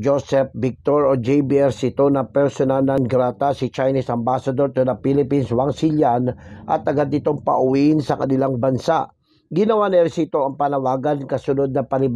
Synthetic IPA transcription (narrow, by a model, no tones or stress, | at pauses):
d͡ʒosɛp̚bɪk̚t̪oɹod͡ʒɛjbiɛɾsɪt̪onɐpɛɹsonanɐnɡɾat̪asɪt͡ʃajnisɐmbasɐd̪oɾt̪unɐpilɪpinswaŋsiljanʔɐt̪ɐɡad̪ɪt̪o̞ŋpɐʔʊwiʔɪnsɐkɐnɪlaŋbɐnsa̰ʔ | ɡɪnɐwanɛɾsɪt̪o̞ʔɐŋpanɐwaːɡankɐsʊnod̪̚nɐpɐlɪb